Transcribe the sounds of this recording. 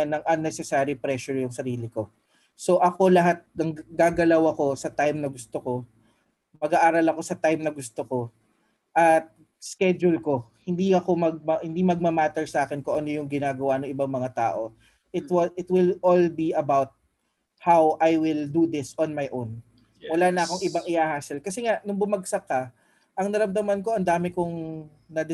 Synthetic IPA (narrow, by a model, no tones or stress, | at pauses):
nːɐŋʔɐnːɛsɛsaɾipɾɛʃʊɹjʊŋsɐɾiːlɪko̞ | so̞ʔɐko̞lɐɦat̪̚ɐŋɡaːɡɐlɐwɐko̞sɐt̪ajmnɐɡʊst̪oko̞ | mɐɡaʔaːɾɐlɐko̞sɐt̪ajmnɐɡʊst̪oko̞ | ʔɐt̪̚ | skɛd͡ʒʊlko̞hɪnd̪iɐko̞mɐɡ̚mɐhɪnd̪imɐɡ̚mɐmaːt̪ɛɹsɐʔaːkɛnkʊʔɐno̞jʊŋɡɪnaːɡɐwanɐŋʔɪbaŋmɐŋat̪a̰ːʔo̞ | ʔɪt̪wɪt̪wɪlolbiʔɐbawt̪̚ | hawʔajwɪld̪ud̪ɪsonmajʔown | wɐlaːnɐʔɐko̞ŋʔɪbaŋʔɪʔaːhaːsɛlkɐsɛŋaʔnʊŋbʊmɐɡsɐkːɐ | ʔɐŋnɐɾɐmd̪ɐmɐnko̞ʔɐnd̪aːmɪkoŋ | nɐd̪